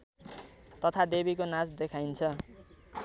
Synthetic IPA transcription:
t̪ʌt̪ʰad̪ebikonasd̪ekʰajnt͡sʰʌ

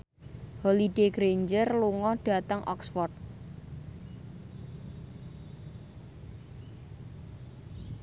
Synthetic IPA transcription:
holideɡɾeɲd͡ʒərluŋɔɖ̥a̤t̪əŋʔɔ̰ksfɔrt̪̚

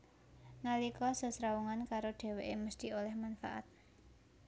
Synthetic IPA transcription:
ŋalikɔsɔ̤sɾauŋankaɾoɖ̥e̤weʔeməst̪iolɛhmanfa̰ʔa̰t̪̚

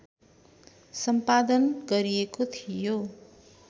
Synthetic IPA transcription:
sʌmpad̪ʌnɡʌɾiekot̪ʰijo

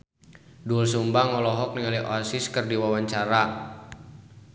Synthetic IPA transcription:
dulsumbaŋɔlɔɦɔk̚niŋaliʔɔsiskərdiwawaɲt͡ʃaɾa

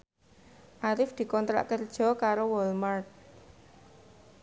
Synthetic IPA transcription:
ʔaɾɪfd̪̥i̤kɔnt̪ɾa̰ʔkərd̥ʒ̥ɔ̤kaɾowɔlmart̪̚

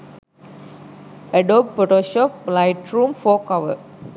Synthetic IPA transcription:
ɛɖoːb̚poʈoːʃɔːp̚laɪʈɾũːmfoːkɔʋə̰

